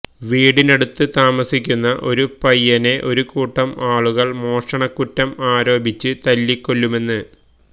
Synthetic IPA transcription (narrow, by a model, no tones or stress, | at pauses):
ʋiːɽine̞ɽut̪ːɨt̪aːmɐsikʲːunːɐʔo̞ɾupɐjːɐne̞ʔo̞ɾukuːʈːɐmaːɭuɣɐɭmo̞ːʂɐɳɐkːutːɐmaːɾo̞ːbit͡ɕːɨt̪ɐlːikːo̞ɭːume̞nːɨ